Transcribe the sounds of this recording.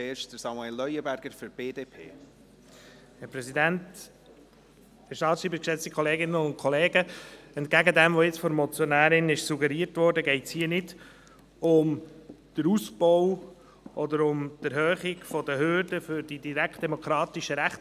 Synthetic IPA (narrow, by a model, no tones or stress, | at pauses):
eːʃd̥əɾsɑmuɛlːœjəbæɾɡ̥əɾfyɾb̥eːdeːpʰḛː | hɛɾpɾɛsidænt | ɪʃtɑːtʃiːbəkʃɛt͡stikʰχɔleːɡɪnəʊnkʰɔleːɡəɛnt̚ɡæɡədɛmʋoɪt͡sfɔɾmɔt͡sjɔnæːɾɪnɪʃsuɡəɾiːətʋɔɾdəɡɛɪtshiːənɪd | ʊmd̥əɾusbɔw | ʔɔd̪əɾʊmd̥æɾhœːχɪɡ̥fɔdəɦʏɾdəfʏɾd̥idiɾækχt̚d̥eɛmɔkʰɾɑːt̪iʃəɾæχt